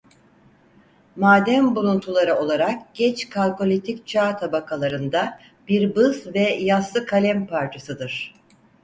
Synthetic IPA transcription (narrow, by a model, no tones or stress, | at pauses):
maːd̪æmbulˠunt̪ʰulˠaɾɯo̞lˠaɾakɟ̥ɛt͡ʃkʰalʲko̞lʲit̪ʰict͡ʃʰaːt̪ʰabakʰalˠaɾɯnd̪a | biɾbɯzvɛjaslˠɯkʰalʲɛmpʰaɾt͡ʃʰisɯd̪ɯɾ̥